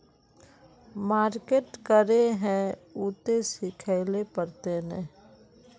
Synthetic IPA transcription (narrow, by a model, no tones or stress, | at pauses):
maːɾkeːʈkəɾeɦɛ̃uːt̪esɪkʰaɪlepəɾt̪enɛ̃ː